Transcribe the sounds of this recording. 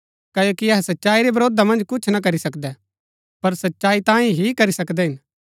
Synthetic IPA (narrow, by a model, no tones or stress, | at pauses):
kɐjoːkiɐɦɛsɐtːʃaːiɾebɐɾoːd̪amɐ̃nd͡ʒkʊt͡ʃʰnak̬ɐɾisɐkd̪ɛ | pɐɾsɐtːʃaːit̪ãːĩɦikɐɾisɐkd̪ɛɦɪn